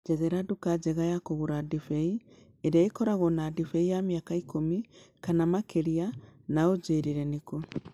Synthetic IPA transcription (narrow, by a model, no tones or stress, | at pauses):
d͡ʒɛðɛɾadukad͡ʒɛɣajakoɣuɾadifɛi | eɾeaekɔɾaɣɔnadifɛijamiakaikomikanamakeɾianaod͡ʒeːɾiɾɛniko